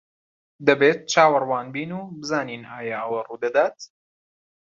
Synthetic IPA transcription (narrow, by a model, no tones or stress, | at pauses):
d̪ɐbeːt̪̚t͡ʃʰaːwɐrwaːnbiːnuːbɨzaːniːnaːjaʔɐwɐruːd̪ɐd̪aːt̪